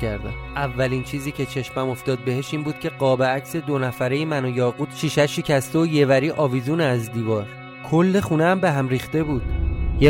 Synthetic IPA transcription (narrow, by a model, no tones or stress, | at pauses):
æɾd̪æ̰mʔævːæliːnt͡ʃʰiːziːcʰe̞t͡ʃʰe̞ʃmæmo̞ft̪ɒːd̪̚be̞heʃiːnbuːd̪̥̚cʰe̞ɢɒːbeæcse̞d̪onæfæɾe̞jemænojɒːɣuːd̪̥ʃiʃæʃicʰæst̪eoje̞væɾiːʔɒːvizuːneːzd̪iːvɒːɾ | kʰolːe̞χuneæmbeɦæmɾiːχt̪e̞buːd̪̥je